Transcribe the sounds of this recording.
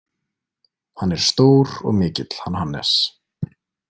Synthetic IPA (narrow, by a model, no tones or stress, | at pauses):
hanːɛɾ̥st̪oːwɾɔ̰ɣmɪːcɪt̪l̥hanhanːɛ̰s